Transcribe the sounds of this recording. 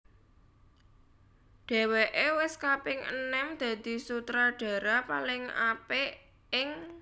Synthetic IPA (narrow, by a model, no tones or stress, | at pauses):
ɖ̪̥e̤weʔewɪskapɪŋʔə̰nɛmd̪̥ä̤d̪̥i̤sut̪ɾaɖ̥a̤ɾapalɪŋape | ɪŋ